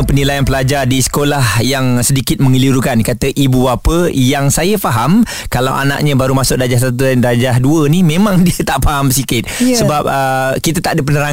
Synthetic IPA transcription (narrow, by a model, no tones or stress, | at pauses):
pənilajanpəlad͡ʒardisə̥kolahjaŋsədikɪt̪̚məŋiliɾukankat̪əʔibuapəjaŋsajəfaɦam | kala̰wʔa̰na̰ʔɲə̃baɾumasʊk̚dad͡ʒahs̬at̪udad͡ʒaɦduənimẽmãŋdiət̪aʔfaɦamsikɪt̪̚səbap̚əkit̪ət̪aʔdəp̬ənəɾaŋ